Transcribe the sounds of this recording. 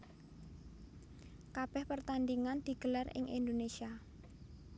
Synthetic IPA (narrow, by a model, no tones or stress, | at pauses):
kab̥ɛhpərt̪and̪iŋand̪̥i̤ɡ̥əlarɪ̰ŋʔḭnd̪onesia